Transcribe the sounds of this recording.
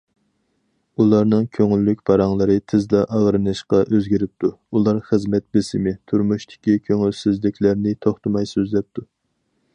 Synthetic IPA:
ulˠɑɾnɨŋkʲʰøŋylːykʲbɑɾɑŋlˠɨɾɨt̪ʰɪzd̪ɑʔɑʁɾɨnɨʃqɑʔøzɡʲiɾɪp̚t̪ʰuulˠɑɾχəzmɛt̪̚bɪsɪmɪt̪ʰuɾmuʃt̪ʰɪ̥kʲikʲʰøŋylsɪzlɪkʲlæɾnɪt̪ʰoχt̪ɨmɑjsøzlɛp̚t̪ʰu

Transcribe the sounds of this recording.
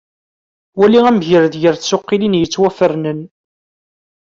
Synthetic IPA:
wæliʁæmʝəɾðjəɾθsʊqːilinjət͡sːwæfəɾnən

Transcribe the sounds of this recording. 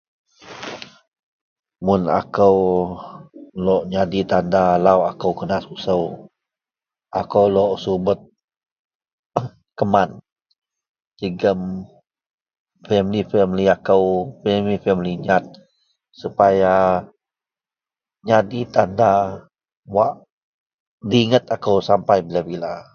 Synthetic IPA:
mʊna̰kəw | lɔʔɲadit̪andalawakəwkənasusəw | ʔakəwlɔʔsubət̪̚ | kəman | təɡəm | fɛmlifɛmliakəwfɛlifɛmliɲat̪̚ | supaja | ɲadit̪anda | waʔ | diŋət̪akəwsampajbilabila

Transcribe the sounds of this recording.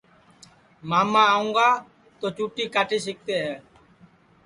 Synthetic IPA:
maːmãːũːŋɡaː | t̪oːt͡ʃuːʈiːkaːʈʰiːs̬ɪk̚t̪eːɦɛː

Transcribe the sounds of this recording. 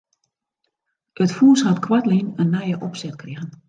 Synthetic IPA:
ətfuːshatkʰwatlinənːɛjəʔɔpsɛtkrɪɣən

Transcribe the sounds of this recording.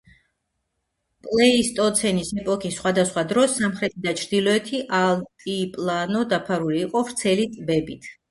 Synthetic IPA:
pʼlɛist̪ʼɔt̪sʰɛnisɛpʼɔkʰisːχwad̪asχwad̪ɾɔsːamχɾɛt̪ʰid̪at͡ʃʰɾd̪ilɔɛt̪ʰiʔalt̪ʼipʼlˠanɔd̪apʰaɾuliːqʼɔvɾt̪sʰɛlit̪sʼbɛbit̪ʰ

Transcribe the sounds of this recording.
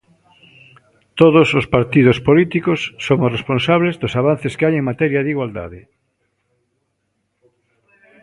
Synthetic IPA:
t̪oðosospaɾt̪iðospolit̪ikosːomoresponsaβlezðosaβ̞an̟θeskeajeŋmat̪ɛɾjaðiɣwald̪a̰ðɪ

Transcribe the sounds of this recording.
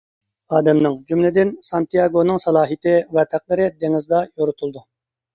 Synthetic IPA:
ɑːd̪ɛmnɨŋd͡ʒymlɪd̪ɪnsɑnt̪ʰijɑɡonɨŋsɑlˠɑːɦit̪ʰɪwɛt̪ʰæq̚lˠɨɾɪd̪eŋɪzd̪ɑjoɾʊt̪ʰulˠd̪u

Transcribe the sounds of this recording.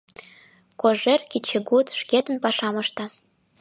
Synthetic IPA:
koʒerkit͡ɕʰeɡut̪ʃket̪ə̆npɑʃɑmɤ̆ʃt̪ɑ

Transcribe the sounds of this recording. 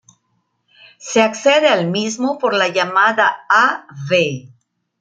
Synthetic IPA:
se̞akseðealmizmopo̞ɾlaʝamaðaaβe

